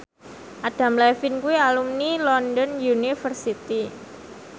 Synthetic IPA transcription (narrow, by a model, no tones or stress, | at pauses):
ʔad̥a̤mlɛfɪnkuwialumnilɔndɔnjunifərsit̪i